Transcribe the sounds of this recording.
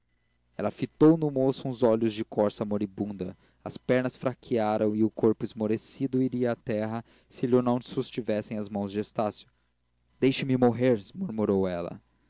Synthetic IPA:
ɛlɐfit̪ownʊmosʊũzɔʎʊzd͡ʒɪkɔɾsɐmoɾibũnd̪ɐ̰ | ɐspɛɾnɐsfɾakʰiaɾɐ̃w̃ɪʊkoɾpʊɪzmoɾesid̪ʊiɾiɐːt̪ɛɦɐ | sɪlʊnɐ̃w̃sust͡ʃivɛsẽj̃ɐzmɐ̃w̃zd͡ʒɪest̪asjʊ̥ | d̪̥ejʃɪmɪmoɦeɾmuɾmuɾowɛlɐ̰

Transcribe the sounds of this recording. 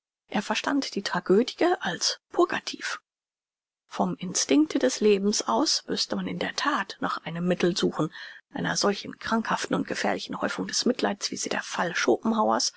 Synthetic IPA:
ʔeːɐfɛɐʃtantd̥iːtʁ̥aɡøːdɪɡəʔalspʰoɐɡa̰tʰḭːf | fɔmɪnstɪŋktəd̥ɛsleːbm̩sʔaʊsmʏstəmanɪndeːɐtʰaːtnaːχʔaɪnəmːɪtl̩zuːxn̩ʔaɪnɐzɔlçn̩kʁ̥aŋkhaftn̩ʊnt̚ɡ̥əfɛːɐlɪçn̩hɔʏfʊŋdɛsmɪtʰlaɪtsv̥ḭːziːdḛːɐfalʃoːpm̩haʊɐ̰s

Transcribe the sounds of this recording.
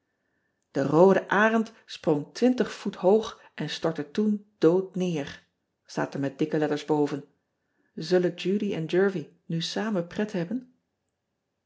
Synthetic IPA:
d̥ərowdəʔaːrənt | sprɔŋtʋɪntəχfutɦowχ | ʔɛnstɔɹtətund̥owtnɪːɹ | sta̰ːtəɹmɛt̚d̥ɪkəlɛtəɹzbowvən | zɵlənd͡ʒuːɾiɛnd͡ʒɜɹvi | nysaːmənprɛtɦɛbən

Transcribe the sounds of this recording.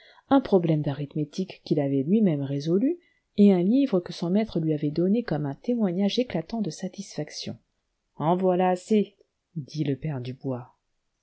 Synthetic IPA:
ɛ̃pχɔblɛmd̪aʁit̪met̪ikːilavɛlɥimɛmʁezɔly | eɛ̃livʁəkəsɔ̃mɛt̪χəlɥiavɛd̪ɔnekɔmɛ̃t̪emwaɲaʒeklat̪ɑ̃d̪əsat̪isfaksjɔ̰̃ | ɑ̃vwalaːse | d̪iləpɛʁd̪ybwa

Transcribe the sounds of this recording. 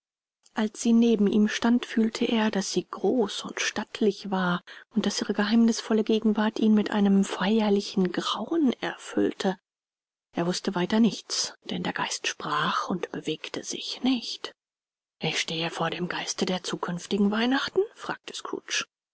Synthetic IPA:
ʔalsz̥iːneːbm̩ʔiːmʃtantfyːltʰəʔeːɐdasz̥iːɡʁoːsʊntʃtatʰlɪçvaːɐʊntd̥asʔiːʁəɡəhaɪmnɪsfɔləɡeːɡŋ̩vaɐtʔiːnmɪtʔa̰ɪnəmfaɪɐlɪçn̩ɡʁaʊənɛ̰ɐfʏ̰ltʰə | ʔeːɐvʊstəvaɪtɐnɪçt͡sd̥ɛndeːɐɡ̥aɪstʃpʁ̥aːχʊntb̥əveːktʰəz̥ɪ̰çnɪçt | ʔɪçʃteːəfoːɐɾeːmɡaɪstədeːɐt͡suːkʰʏnftɪɡŋ̩vaɪnaχtn̩fʁ̥a̰ːk̚tʰə̥skʁ̥ṵːt͡ʃ

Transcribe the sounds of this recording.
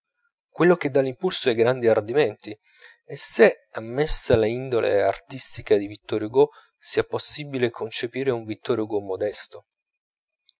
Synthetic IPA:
kwelːok̟ed̪ːalimpulsoɛjɡɾand̪iard̪imɛnt̪i | ɛsːe | amːesːalaind̪olʔḛa̰rt̪ist̪ikad̪ivit̪ːɔɾjuɡo | siːaposːibilekʰont͡ʃepiːɾeuɱvit̪ːɔɾjoɡomod̪ɛst̪o

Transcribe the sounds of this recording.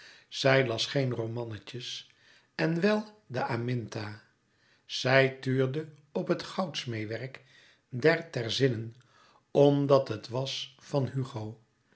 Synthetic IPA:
z̥ɛjlɑsχejnromɑnəcəs | ɛnʋɛlˠdəamɪntaː | z̥ɛjtyːɹdə | ɔpɦətχɑwtsmejʋɛɹk | dɛɹtɛɹzɪnən | ɔmdɑtɦətʋɑsfɑnɦyχow

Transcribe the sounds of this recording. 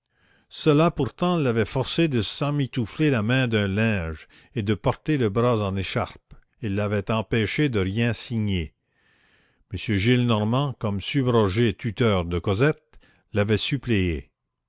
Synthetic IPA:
səlapuʁt̪ɑ̃lːavɛfɔʁsed̪əsɑ̃mit̪uflelamɛ̃d̪œ̃lɛ̃ːʒ | ed̪əpɔʁt̪eləbʁazɑ̃neʃa̰ʁp | ilːavɛt̪ɑ̃pɛʃed̪əʁjɛ̃siɲe | məsjøʒilnɔʁmɑ̃kɔmsybʁɔʒet̪yt̪œːʁd̪əkɔzɛt̪̚ | lavɛsypleḛ

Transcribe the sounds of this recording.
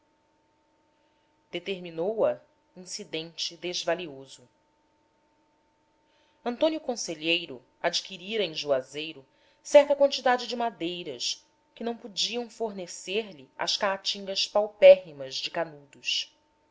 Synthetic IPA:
d̪̥et̪eɾminowɐ | ĩsid̪ẽnt͡ʃɪd̪ezvaliozʊ | ɐ̃nt̪õnjukõseʎejɾʊ | ad͡ʒikiɾiɾɐẽj̃ʒuazejɾʊ | sɛɾt̪ɐkwɐ̃nt͡ʃid̪ad͡ʒɪd͡ʒɪmad̪ejɾɐʃ | kɪnɐ̃w̃pud͡ʒiɐ̃w̃foɾneseɾliɐ̰ʃkaat͡ʃĩŋɡɐʃpawpɛɦimɐzd͡ʒɪkanud̪uʃ

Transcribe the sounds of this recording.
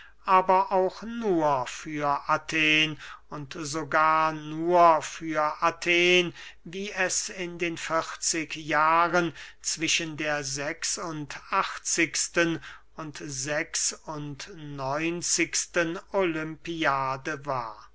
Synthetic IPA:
ʔaːbɐʔaʊxnuːɐfyːɐʔatʰeːnʊntzoɡaːɐnuːɐfyːɐʔatʰeːnviːɛsɪndeːnfɪχt͡sɪkjaːʁənt͡sv̥ɪʃəndeːɐzɛksʊntaχt͡sɪkstən | ʊntzɛksʊntnɔʏnt͡sɪkstənolʏmpiaːdəva̰ːɐ

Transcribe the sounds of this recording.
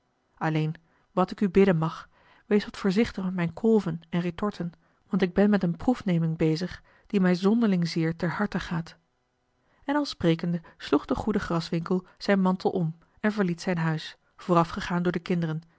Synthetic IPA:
ɑlejn | ʋɑtɪkybɪdənmɑχ | ʋejsʋɑtfʊːɹzɪχtəχmɛtmɛjnkʰɔlˠvənɛnritɔɹtʰən | ʋɑntɪɡ̚bɛnmɛtənprufnejmɪŋbejzəχ | d̥imɛjzɔndəɹlɪŋzɪːɹtɛɹɦɑɹtəχaːt | ɛnɑlˠsprejkəndəsluχd̥əχudəχrɑsʋɪŋkəlˠz̥ɛjnmɑntəl̩ˠʔɔm | ɛnvəɹlitsɛjnɦœɥs | v̥oːrɑfχəχaːndʊːɹdəkɪndərən

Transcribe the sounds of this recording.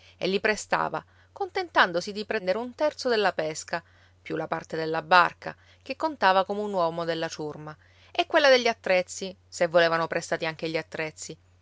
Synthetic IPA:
ḛlːipɾest̪a̰ːva̰ | kont̪ent̪and̪osid̪ipɾɛnd̪eɾeunt̪ɛrt̪sod̪elːapɛska | pjulapart̪ed̪elːabarka̰ | k̟ekːont̪aːvakomeunwɔːmod̪elːat͡ʃurma | ɛkːwelːad̪eʎːiat̪ːɾɛt̪sːi | sevːoleːvanopɾest̪aːt̪iaŋk̟eʎːiat̪ːɾɛt̪sːi

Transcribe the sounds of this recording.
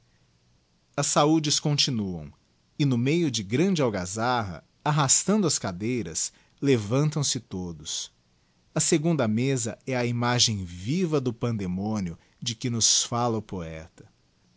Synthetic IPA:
ɐsːaud͡ʒɪskõnt͡ʃinuɐ̰̃w̃ | ɪnʊmejʊd͡ʒɪɡɾɐ̃d͡ʒɪawɡazaɦɐ̰ | aɦast̪ɐ̃nd̪ʊɐskad̪ejɾɐ̰s | levɐ̃nt̪ɐ̃w̃sɪt̪od̪ʊs | ɐseɡũnd̪ɐmezɐɛɐimaʒẽj̃vivɐd̪ʊpɐ̃nd̪emõnjʊ | d͡ʒɪkɪnʊsfalɐʊpoɛ̰t̪ɐ̥

